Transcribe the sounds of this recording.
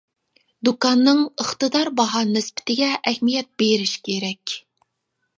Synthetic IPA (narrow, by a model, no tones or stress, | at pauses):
d̪ukɑnːɨŋəχt̪ɨd̪ɑɾbɑɦɑnɪspɪ̥t̪ʰɪɡʲɛʔɛhmijɛt̪̚beɾɪʃkʲʰeɾɛkʲ